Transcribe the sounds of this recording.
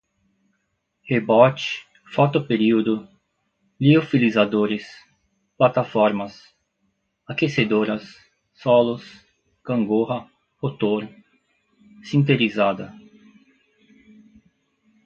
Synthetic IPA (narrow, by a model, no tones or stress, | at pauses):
hebɔt͡ʃ | fɔt̪opeɾiwd̪ʊ | liofilizad̪oɾɪs | plat̪afɔɾmɐs | akesed̪oɾɐsː | ɔlʊs | kɐ̃ŋɡohɐ | ot̪oɾ | sĩnt̪eɾizad̪ɐ